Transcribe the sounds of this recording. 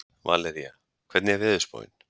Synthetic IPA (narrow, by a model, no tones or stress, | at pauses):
va̰lɛɾia̰ | kʰvɛɾt̪nɪɛvɛːðʏspo̰ːwj̰n̥